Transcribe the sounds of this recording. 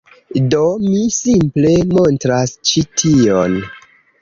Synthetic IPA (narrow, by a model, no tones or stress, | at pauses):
do̞misimple̞mo̞ntɾast͡ʃitʰion